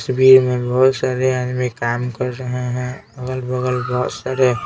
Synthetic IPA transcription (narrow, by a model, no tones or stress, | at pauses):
sbiːɾmẽbɔɦʊt̪saːɾeadmẽkaːmkəɾɾəɦeɦɛ̃əɡəlbəɡəlbɔɦʊt̪saːɾe